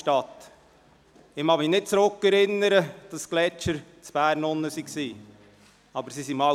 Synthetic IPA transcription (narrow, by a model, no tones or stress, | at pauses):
tɑt̪ | ɪmɑminɪt̚t͡sɾʊkːɛɾɪnːəɾəd̥ɑsklɛt͡ʃəɾt͡sb̥æːɾnʊnːəsiksiː | ɑbəɾsisimɑ